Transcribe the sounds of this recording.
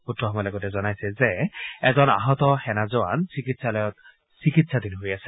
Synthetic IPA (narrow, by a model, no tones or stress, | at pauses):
utʰːɔɦɔmɔjlɔɡɔtɛzɔnajsɛzeɛzɔna̰ɦɔt̪ɔhɛnazɔwa̰nsikit̪salɔjɔt̪ | sikit̪sʰad̪inɦojasʰe̥